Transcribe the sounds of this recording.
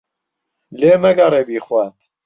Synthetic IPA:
leːmɐɡɐɾeːbiːxwaːt̪

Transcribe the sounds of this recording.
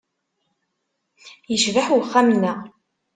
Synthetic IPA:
jəʃvaħwχːæmnːæ

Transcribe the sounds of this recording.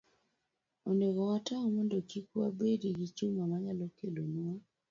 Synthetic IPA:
oneɡɔwataɔmɔndɔkikwabediɡit͡ʃumamaɲalɔkelonua

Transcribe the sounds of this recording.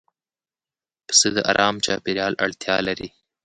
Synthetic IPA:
pə̥səd̪əʔa̰ɾʔɑːmt͡ʃɑːpɪɾijɑːlʔa̰ɽt̪jɑlaɾi

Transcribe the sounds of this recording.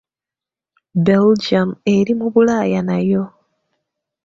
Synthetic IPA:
beld͡ʒame̞ɾimuβulaːjanajo̞

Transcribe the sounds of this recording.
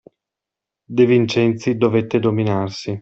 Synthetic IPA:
d̪evint͡ʃɛnt̪sid̪ovet̪ːed̪ominarsi

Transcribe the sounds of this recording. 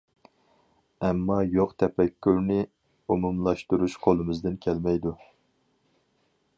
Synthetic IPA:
ɛmːɑjoqt̪ʰɛpɛkʲʰːyɾnɪ | umumlˠɑʃt̪uɾuʃqʰolˠɨmɨzd̪ɪnkʲʰɛlmɛjd̪u

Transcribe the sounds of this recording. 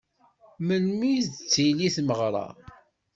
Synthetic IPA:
məlmizt͡sːiliθməʁɾˤɑ̰

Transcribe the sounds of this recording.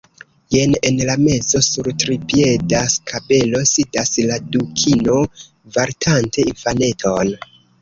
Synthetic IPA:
jene̞nlame̞zo̞suɾtɾipie̞daskʰabe̞lo̞sidasladukʰino̞ | vaɾtʰantʰe̞infane̞tʰo̞n

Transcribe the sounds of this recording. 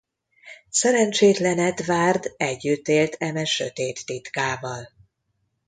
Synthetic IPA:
sɛɾɛnt͡ʃeːt̪lɛnɛt̪vaːrd̪ɛɟːyt̪ːeːlt̪ʰɛmɛʃø̰t̪eːt̪ːit̪kaːvɒl

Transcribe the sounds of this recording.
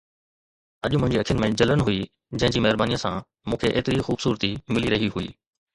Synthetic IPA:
ɐʄmʊ̃ɦɪ̃ɲd͡ʑiɐkʰijənɪ̆mẽd͡ʑɐlənɦui | d͡ʑɐ̃ɦɪ̃ɲd͡ʑiːmɛɦɪɾbaːnijə̃sã̰ | mũːkʰeʔḛːt̪ɪɾixuːbsuːɾt̪imɪliɾɐɦiɦuḭː

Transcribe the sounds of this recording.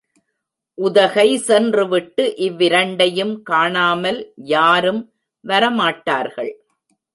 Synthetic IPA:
ʔʊðɐɣɐɪsɛndrɯʋɪʈːɯʔɪʋːɪɾɐɳɖɐjɯmkaːɳaːmɐljaːɾɯm | ʋɐɾɐmaːʈːaːɾɣɐɭ

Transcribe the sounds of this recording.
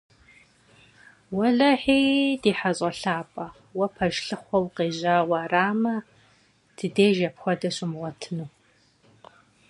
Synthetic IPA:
wɐɮɐħiːdiːħaɕʼɐɬaːpʼɐ | wɐpʰɐʒɬɨχʷɔwqeːʑaːʁʷɑraːmɐ | d̥ɨdeːʒɐpxʷɔdɐɕɪmʁʷɔtʰɨnuː

